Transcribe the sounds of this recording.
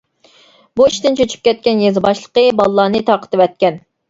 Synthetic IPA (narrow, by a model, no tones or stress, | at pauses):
buiʃt̪ɪnt͡ʃʰøt͡ʃʰy̥p̚kʲɛt̪̚kʲɛnjezɨbɑʃlˠəqəbɑlˠəlːˠɑːnɨt̪ʰɑːqʰə̥t̪ɨvɛt̪̚kʲɛn